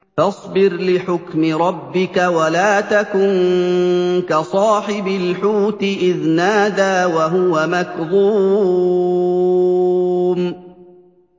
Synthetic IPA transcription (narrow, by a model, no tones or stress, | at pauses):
fɑsˤbɪɾlɪħʊkmɪɾˤɑbːɪkawalaːt̪akʊn | kasˤɑːħɪbɪlħuːt̪ɪʔɪðnaːd̪aːwaɦʊwamakðˤuː | m